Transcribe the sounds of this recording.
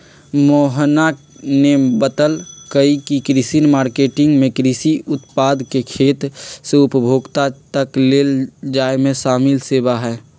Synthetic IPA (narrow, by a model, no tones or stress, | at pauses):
moːɦna | nebət̪əlkəikikɾɪsinmaːɾkeːʈɪ̃ŋɡmẽkɾisiʔʊt̪paːd̪kekʰeːt̪seʊpəbʱoːɡt̪at̪əkleːld͡ʒaːemẽsaːmɪlseːbaɦɛː